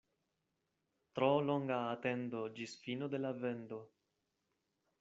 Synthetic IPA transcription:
t̪ɾoloŋɡaːt̪e̞nd̪o̞d͡ʒisfinod̪e̞lavend̪o̞

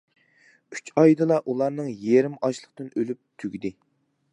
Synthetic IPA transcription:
y̥t͡ʃɑjd̪ɨlˠɑʔulˠɑɾnɨŋjeɾɪmɑʃlˠəqt̪ɨnølyp̚t̪ʰyɡʲid̪ɪ

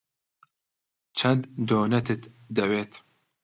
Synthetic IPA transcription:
t͡ʃʰɐnd̪d̪oːnɐt̪ʰɨt̪ | d̪ɐweːt̪

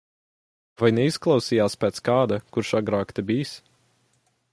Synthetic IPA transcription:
vajnɛisklˠɑwsiːjaːspʲɛːt̪skaːd̪akuɾʃaɡɾaːkt̪ebiːs

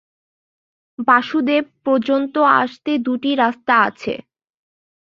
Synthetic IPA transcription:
baʃud̪ebpɔɾd͡ʑont̪oa̰ʃt̪ed̪uʈiɾast̪aa̰t͡ɕʰḛ

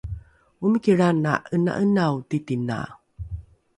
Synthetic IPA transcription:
uməkiɾana̰ʔəna̰ʔənawtitina̰

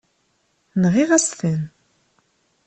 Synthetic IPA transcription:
nʁiʁæst̪ən

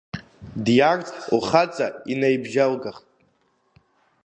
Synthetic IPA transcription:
djart͡sʼuχat͡sʼainejbʒalɡaχtʼ

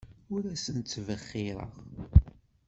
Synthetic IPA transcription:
ʊɾæsənt̪ːvəχːɪɾˤə̰ʁ

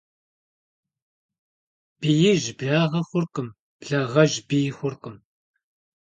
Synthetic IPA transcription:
b̥ijɪʒbɮaːʁɐχʷʊrqəm | b̥ɮaʁɐʒbijxʷʊrqəm

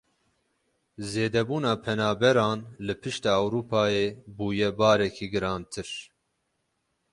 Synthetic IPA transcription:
zeːd̪ɛbuːnɑːpʰɛnɑːbɛɾɑːnlɨpʰɨʃt̪ɑːɛwɾuːpʰɑːjeːbuːjɛbɑːɾɛkʰiːɡɨɾɑːnt̪ʰɨɾ

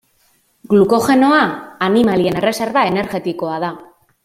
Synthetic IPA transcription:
ɡluko̞xe̞no̞aːnimalie̞ne̞re̞se̞ɾβae̞ne̞ɾɣe̞t̪iko̞aða

